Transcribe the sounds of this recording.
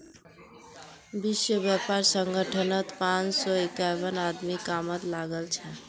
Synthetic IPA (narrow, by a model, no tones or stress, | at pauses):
biswəbjapaɾsəŋɡəʈʰənət̪pãt͡ʃsɔekabənad̪mikamət̪laɡəlt͡ʃʰɛ